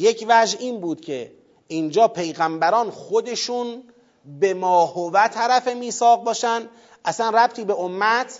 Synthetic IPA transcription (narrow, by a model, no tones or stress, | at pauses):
jecʰvæʒiːnbuːd̪̥cʰe̞ | ind͡ʒɒːpʰe̞jɣæmbæɾɒːnxod̪e̞ʃun | be̞mɒːhovæt̪ʰæɾæfemiːsɒːɣ̚bɒːʃæn | ʔæsænræb̚t̪ʰiːbeomːæt̪ʰ